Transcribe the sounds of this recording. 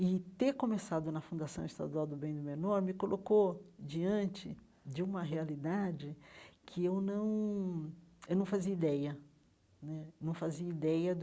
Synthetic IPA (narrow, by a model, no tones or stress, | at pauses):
ɪt̪eɾkõmesad̪ʊnɐfũnd̪asɐ̃w̃ist̪a̰d̪uawd̪ʊbẽj̃d̪ʊmenɔɾmɪkolʔokod͡ʒiɐ̃nt͡ʃɪ | d͡ʒɪũmɐɦealid̪ad͡ʒɪkʰɪewnɐ̃w̃ | ewnɐ̃w̃faziɐid̪ɛjɐ | nɛnɐ̃w̃faziɐid̪ɛjɐd̪